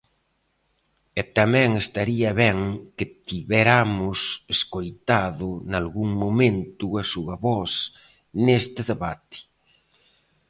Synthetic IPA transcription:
ɛt̪amɛ̃ŋest̪aɾiɐβɛŋkɪt̪iβɛɾamʊseskojt̪aðʊnalɣuŋmomẽnt̪uɐsuɐβɔs | nest̪ɪðeβat̪ɪ̥

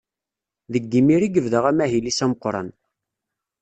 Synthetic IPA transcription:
ðəɡːimiɾiɡəvðəʁæmæɦilisæməqːɾˤɑ̰n

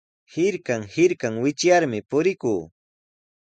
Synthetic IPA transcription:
hɪɾkaŋhɪɾkaŋwɪt͡ʃjaɾmɪpʊɾɪkuː

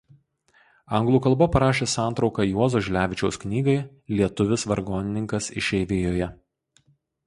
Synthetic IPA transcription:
ɐŋɡlˠuːkɐlˠbɐpɐɾɑːʃʲeːsɑˑnt̪ɾɒʊkɑjuɔzoːʒʲlʲæːʋʲɪt͡ʃʲɛʊsknʲiːɡɐɪ | lʲiɛt̪ʊʋʲɪsʋɐɾɡoːnʲɪnʲɪŋkɐsɪʃʲɛːɪʋʲeːjoːjɛ

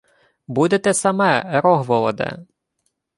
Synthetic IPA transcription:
bud̪et̪ɛsɐmɛɾɔɦʋɔlˠɔd̪ɛ̰

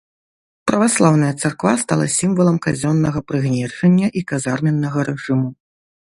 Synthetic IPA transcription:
pɾɐvaslˠawnɐjɐt̪sarkvast̪alˠɐ̰sʲimvɐlˠɐmkazʲɔnːɐɣɐpɾɨɣnʲɛrʂɐnʲːɐʔikazarmʲɛnːɐɣɐɾɛʐɨmu

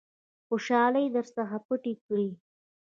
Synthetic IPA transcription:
xoʃɑlajd̪əɾsaxapəʈikɽi

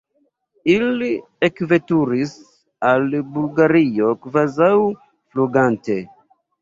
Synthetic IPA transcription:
ili | ekve̞tuɾis | albulɡaɾio̞kvazaw | fluɡante̞

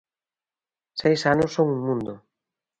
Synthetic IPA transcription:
sejsanʊsːoŋuŋmũnd̪ʊ

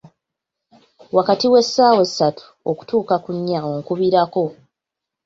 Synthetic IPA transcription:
wakatiwe̞sːaːwe̞sːatu̥ | oku̥tuːkakuɲːaoŋkuβiɾako̞

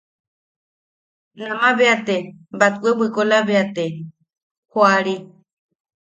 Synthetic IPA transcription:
nãmãβeat̪embat̪uewɨkolaβeat̪e | hoaɾi

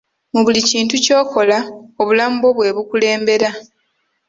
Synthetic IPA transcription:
muβuliciːntuco̞ːko̞lao̞βulamubo̞βwe̞ːβukule̞ːmbe̞ɾa

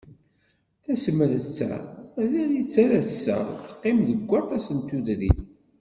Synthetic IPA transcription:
θæsəməðt͡sːæ̰æzænit͡sːæɾæsə̰θə̥qːemðəɡʷːɑt̪ˤɑsənt̪uðɾḭθ

